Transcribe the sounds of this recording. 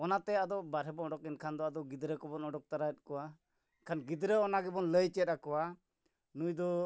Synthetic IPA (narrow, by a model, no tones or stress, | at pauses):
ɔnat̪ɛad̪ɔbaɾɦɛbɔɔɖɔkinkʰand̪ɔad̪ɔɡid̪ɾəkɔbɔnɔɖɔk̚t̪aɾaɛt̪̚ˀkɔwa | kʰanɡid̪ɾəɔnaɡɛbɔnləjt͡ʃɛt̪̚akɔwa | nujd̪ɔ